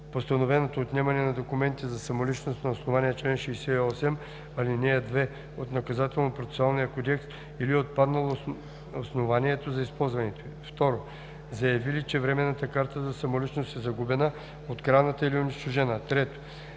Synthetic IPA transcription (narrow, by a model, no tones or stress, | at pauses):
post̪ɐnovɛnot̪oːt̪nɛmɐnɛnɐd̪okumɛnt̪izɐsɐmolit͡ʃnost̪nɐosnovaniɛt͡ʃlɛnʃɛjsɛiɔsɛm | ɐlinɛɐd̪vɛ | ot̪nɐkɐzat̪ɛlˠnopɾot̪ɛsoalˠnijɐkod̪ʲɛkst̪ | iliot̪̚pad̪nɐlˠo | osnovaniɛt̪ozɐispɔlˠzvɐnɛt̪o | ft̪ɔɾo | zɐjɐvilit͡ʃɛvɾɛmɛnːət̪əkaɾt̪əzɐsɐmolit͡ʃnost̪ɛzɐɡubɛnə | ot̪kɾavnət̪əilioniʃt̪oʒɛnət̪ɾɛt̪o̥